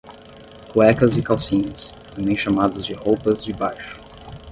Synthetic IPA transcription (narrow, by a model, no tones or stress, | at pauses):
poɛkɐzɪkawsĩɲɐst̪ɐ̃mbẽj̃ʃamad̪ʊzd͡ʒɪhowpɐzd͡ʒɪbajʃʊ̥